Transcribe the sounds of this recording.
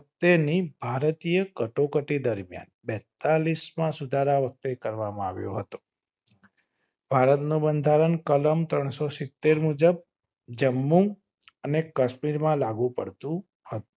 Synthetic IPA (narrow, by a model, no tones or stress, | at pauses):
ək̚t̪enibʱaɾt̪ijəkəʈokəʈid̪əɾmja̰nbɛt̪alismãsud̪ʱaɾaʋək̚t̪ekəɾʋamãa̰ʋjo̰ɦət̪o̥ | b̥ʱaɾət̪nũbənd̪ʱaɾənkələmt̪ɾəɳ̃sosɪt̪ːeɾmud͡ʒəb̚ | d͡ʒəmːũŋ | ənekəʃmiɾmãlaɡũpəɽt̪ũ | hət̪ũ̥